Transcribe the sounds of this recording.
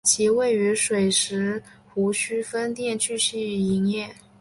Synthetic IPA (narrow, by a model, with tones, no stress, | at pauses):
t͡ɕʰi˧˥we˥˩ɪy˧˥ʂwe˨˩ɪʂɻ̩˧˥xu˧˥ɕy˥fə˥nt̪jɛ˥˧nt͡ɕʰy˥˧ɕy˥˩˥i˧˥ŋjɛ˥˩